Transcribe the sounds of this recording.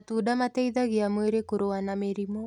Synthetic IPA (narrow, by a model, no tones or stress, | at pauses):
tuːdamatɛiðaɣiamweɾekoɾoanameɾimo